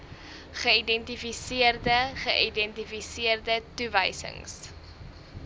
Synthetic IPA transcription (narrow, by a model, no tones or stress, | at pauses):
χəidɛntifisiərdəχəʔidɛntifisiərdətuvə̰jsə̰ŋs